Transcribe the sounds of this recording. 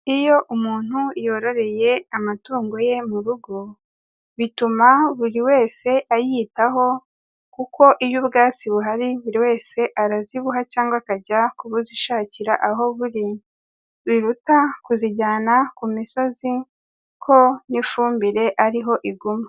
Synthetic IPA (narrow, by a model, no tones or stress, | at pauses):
ijo̞ʔumuːn̥hujo̞ɾo̞ɾe̞je̞amatuːŋɡo̞je̞muɾuɡo̞ | βitumaβuɾiwe̞ːse̞ʔajitaɦo̞ | kuko̞ʔiβjubɡaːt͡siβuɦaɾiβuɾiwe̞ːse̞ʔaɾaziβuɦacaːŋɡwakaɟakuβuziʃaːciɾaʔaɦo̞βuɾi | βiɾutakuziɟaːnakumiso̞zi | kʰo̞nifuːmbiɾe̞ʔaɾiɦo̞ʔiɡuma